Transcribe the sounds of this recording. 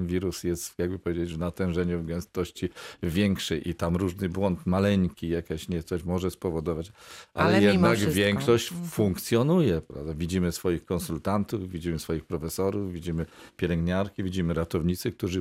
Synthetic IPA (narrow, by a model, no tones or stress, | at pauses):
nvʲiɾusjɛst̪jaɡ̚bɘpɔvjed͡ʑed͡ʑvnat̪ɛ̃ʐɛɲuvɡɛw̃st̪ɔɕt͡ɕivʲjɛŋkʂɛjʔit̪amɾuʐnɘbwɔnt̪malɛɲkʲijakʲaɕɲɛt̪sɔɕmɔʐɛspɔvɔd̪ɔvat͡ɕʔalɛjɛd̪naɡvʲjɛŋkkʂɔɕt͡ɕfũŋkt̪sʲjɔnujɛpɾa̰vd̪avʲid͡ʑimɘsfɔjixkɔnsult̪ant̪uvvʲid͡ʑimɘsfɔjixpɾɔfɛsɔɾuvvʲid͡ʑimɘpʲjɛlɛŋɡɲaɾkʲivʲid͡ʑimɘɾat̪ɔvɲit̪sɘk̚t̪uʐɘ